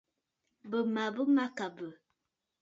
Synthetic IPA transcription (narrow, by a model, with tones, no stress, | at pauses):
bə˨ma˨bə˦ma˦ka˨bə˨